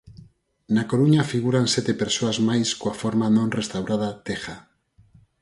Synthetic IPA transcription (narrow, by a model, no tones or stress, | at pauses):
nakoɾuɲafiɣ̞uɾanset̪epeɾsoazmajskoafoɾmanõnrest̪awɾʔað̞at̪exa